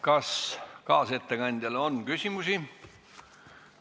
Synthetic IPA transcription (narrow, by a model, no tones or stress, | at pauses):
kɑskɑːse̞t̪ːekɑnʲd̪̥ʲjɑlonkysʲimusʲi